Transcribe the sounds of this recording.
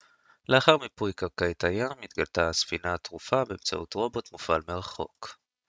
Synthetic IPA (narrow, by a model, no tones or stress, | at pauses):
leaχaʁmipujkaʁkajt̪ajamit̪ɡaltasfinat̪ʁufabeemt͡sa̰ʔut̪ʁo̞bo̞tmufalmeʁaχo̞̰k